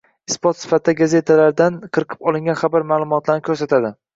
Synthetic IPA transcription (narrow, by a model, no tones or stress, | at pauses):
ɪspot̪sɪ̥fat̪ʰɪd̪aɡaze̞t̪ʰalaɾd̪anqʰɨɾɨqʰɨ̥pɒlˠɪŋɡʲanχabaɾmaːlˠʊmɒt̪laɾnɪkʰɵɾsat̪ʰad̪ɪ